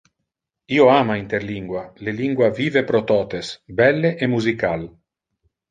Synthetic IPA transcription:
iːoaːmaint̪eɾliŋɡwaleliŋɡwaviːvepɾot̪ɔːt̪esbɛlːeʔemuzikal

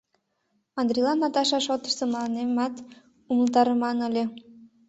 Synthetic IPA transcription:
ɑnd̪ɾʲilɑnɑt̪ɑʃɑʃot̪əʃseməlɑnemɑt̪ | uməlt̪ɑɾəmɑnəlʲĕ

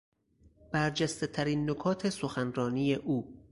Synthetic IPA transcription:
b̥æɾd͡ʒæst̪e̞t̪ʰæɾiːnːokʰɒːt̪ʰe̞soxænrɒːniːje̞ʔuː

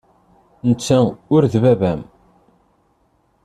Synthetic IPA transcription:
nət͡sːæʊɾðvævæm

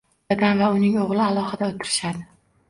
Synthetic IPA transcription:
aɡʲanvaʊnɪŋoʁlˠɪalˠɒhɨd̪aot̪ʰɪɾɪʃad̪ɪ

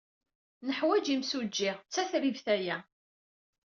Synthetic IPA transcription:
nəħwæd͡ʒimsud͡ʒːɪʁt͡sːæθɾivθæjæ

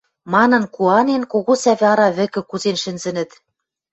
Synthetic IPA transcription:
mɑnɤ̆nkuɑnenkoɣosæβʲɑɾɑβɘ̆kɘ̆kuzenʃɘ̆nzɘ̆nɘ̆t̪

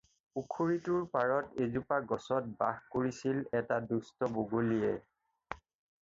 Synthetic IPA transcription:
ukʰuɹituɹpaɹɔtezupaɡɔsɔt̚ba̰xkoɹisilɛtadustɔboɡulijɛ

